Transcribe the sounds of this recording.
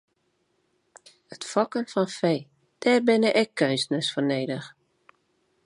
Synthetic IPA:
ətfɔkənfɔnfeː | d̥ɛːrbɪnəʔɛkʰːøɥsnəsforneːdəx

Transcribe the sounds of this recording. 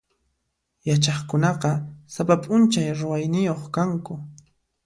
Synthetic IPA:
jat͡ʃɑχkʊnɑqɑsapapʼʊnt͡ʃajɾʊwajnɪjoχkaŋkʊ

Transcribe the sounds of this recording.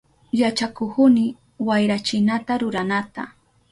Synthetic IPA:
jat͡ʃakʊkʊnɪ | wajɾat͡ʃɪnat̪aɾʊɾanat̪a̰

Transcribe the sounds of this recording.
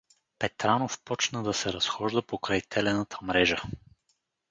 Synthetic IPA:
pɛt̪ɾanofpɔt͡ʃnəd̪ɐsɛɾɐsxɔʒd̪əpokɾajt̪ʰɛlɛnət̪ʰəmɾɛʒə

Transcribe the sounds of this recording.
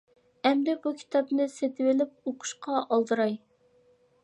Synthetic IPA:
ɛmd̪ɪbukʲʰi̥t̪ʰɑpnɨset̪ʰɪwɪlɪp̚oqʰʊ̥ʃqɑʔɑlˠd̪ɨɾɑj

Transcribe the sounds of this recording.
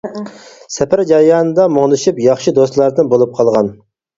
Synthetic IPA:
sɛpæɾd͡ʒɑjɑːnɨd̪ɑmoŋnɨʃipjɑχʃid̪ost̪lˠɑɾd̪ɨnbolˠup̚qʰɑlˠʁɑn

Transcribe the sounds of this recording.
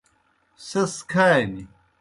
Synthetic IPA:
sɐskʰaːni

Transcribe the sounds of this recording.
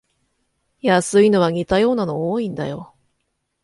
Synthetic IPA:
jasɨino̞β̞aŋ̟ʲit̪ajo̞ːnano̞oːĩnd̪a̰jo̞

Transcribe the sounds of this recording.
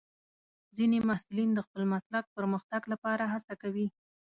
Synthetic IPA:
zinemahsulind̪əxpəlmaslak̚pəɾməxt̪aɡlapɑɾaɦasakawi

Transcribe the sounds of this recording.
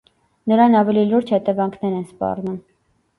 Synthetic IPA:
nəɾɑnɑvɛliluɾd͡ʒhɛt̪ɛvɑŋkʰnɛɾɛnspɑ̰rnum

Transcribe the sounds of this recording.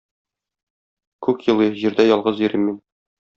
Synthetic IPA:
kʉkjɤ̆lˠɤʑiɾd̪æjɒlˠʁɤzĭɾimːin

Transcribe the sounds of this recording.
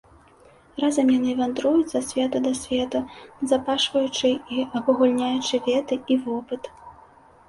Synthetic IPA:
razɐmjanɨvʲand̪ɾujut͡sʲsɐsʲvʲɛt̪ɐd̪ɐsʲvʲɛt̪ɐzɐpaʂvɐjut͡ʂɨiɐkuɣulʲnʲajut͡ʂɨvʲɛt̪ɨivɔpɨt̪

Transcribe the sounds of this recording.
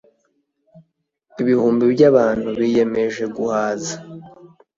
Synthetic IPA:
iβihuːmbibɟaβaːn̥huβije̞me̞ʒe̞ɡuhaːza

